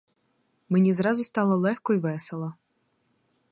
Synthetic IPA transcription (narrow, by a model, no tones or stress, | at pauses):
menʲizɾɑzʊst̪ɑlˠɔlˠɛxkɔjʋɛselˠɐ